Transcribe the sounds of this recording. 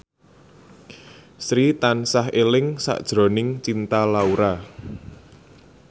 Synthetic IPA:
sɾit̪ansaɦelɪŋsa̰ʔd̥ʒ̥ɾɔ̤nɪŋt͡ʃint̪alauɾa

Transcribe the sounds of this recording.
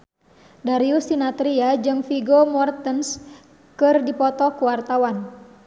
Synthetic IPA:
daɾiusinat̪ɾiad͡ʒɨŋfiɡomɔrt̪əns | kɨrdipɔt̪ɔkuwart̪awan

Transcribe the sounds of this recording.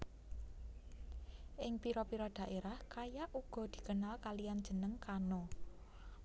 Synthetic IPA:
ʔɪŋpiɾɔpiɾɔd̪̥ä̤ʔeɾahkajaʔuɡ̥ɔ̤d̪̥i̤kənalkalijand̥ʒ̥ə̤nəŋkano

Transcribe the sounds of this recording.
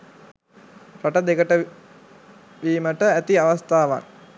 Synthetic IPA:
pɾaʈəd̪ekəʈə | ʋiːməʈəæt̪iaʋast̪aːʋa̰ŋ

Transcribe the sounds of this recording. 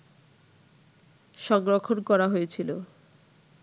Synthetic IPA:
ʃɔŋɡɾokʰːonkɔɾaɦojet͡ɕʰilo̰

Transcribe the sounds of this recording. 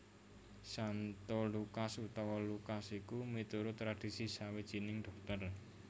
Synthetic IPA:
sant̪olukasut̪awɔlukasikumit̪uɾʊt̪ɾad̥isisawid̥ʒ̥i̤nɪŋd̪̥ɔ̤k̚t̪ər

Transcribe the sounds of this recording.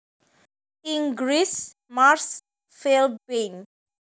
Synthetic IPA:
ĩŋɡɹis | maɾs | felben

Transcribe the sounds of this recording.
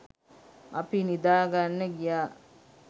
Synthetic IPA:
ɐpinid̪aːɡanːəɡijaː

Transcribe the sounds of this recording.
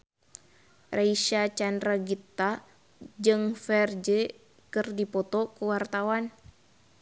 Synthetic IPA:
raiʃat͡ʃandraɡit̪ːa | d͡ʒɨŋfɛrd͡ʒɛ | kɨrdipɔt̪ɔkuwart̪awan

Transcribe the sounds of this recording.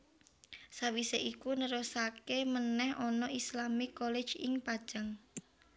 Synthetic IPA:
sawiseʔikunəɾosakemənɛhɔnɔislamɪkːɔle̥ʒ̥ɪŋpad̥ʒ̥aŋ

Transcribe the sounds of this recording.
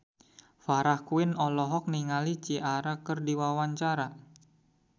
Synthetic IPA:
faɾahkuɪnɔlɔɦɔk̚niŋalit͡ʃiʔaɾakərdiwawaɲt͡ʃaɾa

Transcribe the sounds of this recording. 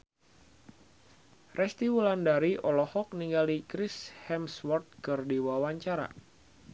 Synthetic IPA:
rʔɛst̪iwulandaɾiʔɔlɔhɔk̚niŋɡalikɾishɛmswɔrt̪̚kɨrdiwawaɲt͡ʃaɾa̰

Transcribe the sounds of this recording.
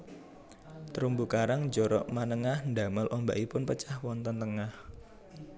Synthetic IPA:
t̪əɾumbukaɾaŋd͡ʒɔɾɔ̰ʔmanəŋahnd̪a̤malʔɔmba̰ʔipʊnpət͡ʃahwɔnt̪ɔnt̪əŋah

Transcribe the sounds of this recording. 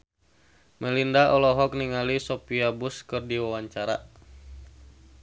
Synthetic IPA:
mɛlindaʔɔlɔɦɔk̚niŋalisopiabuskɨrdiwawaɲt͡ʃaɾa̰

